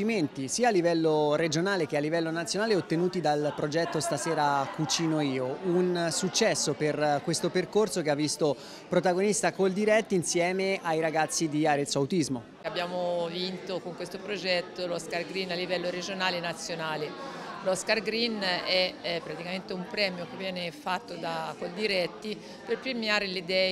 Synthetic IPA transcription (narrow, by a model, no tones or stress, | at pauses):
iment̪isiːalːivɛlːoɾed͡ʒonaːlek̟ealːivɛlːonat̪sjonaːleot̪ːenuːt̪id̪alpɾod͡ʒɛt̪ːost̪asɛːɾakut͡ʃiːnoiːounsut͡ʃːɛsːoperkwest̪operkorsokeavːist̪o | pɾot̪aɡonist̪akold̪iɾɛt̪ːinsjɛːmeajɾaɡat̪sːid̪iaɾet̪sːoawt̪izmo | abːjaːmovint̪okoŋkwest̪opɾod͡ʒɛt̪ːolɔskarɡɾinalːivɛlːoɾed͡ʒonaːlenat̪sːjonaːlelɔskarɡɾinɛpːɾat̪ikament̪eumpɾɛːmjokevːjɛːnefat̪ːod̪akold̪iɾɛt̪ːi | perpɾemjaːɾelid̪ɛː